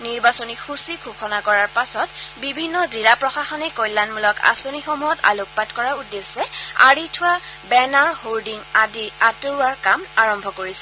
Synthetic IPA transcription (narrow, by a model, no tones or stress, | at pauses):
niɹbasonixusikʰuxʰɔnakɔɹaɹpasɔtbibʱinːɔziɹapɹɔxaxɔnɛkojlːanmulɔka̰sonixomuɦɔta̰lok̚patkɔɹaudːesːɛa̰ɹitʰʊabɛnaɹholdiŋadiatoɹuaɹkamaɹɔmbʱɔkoɹisɛ̥